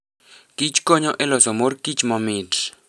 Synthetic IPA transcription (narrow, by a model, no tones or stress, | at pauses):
kit͡ʃkoɲɔʔɛlɔsɔmorkit͡ʃmɔmit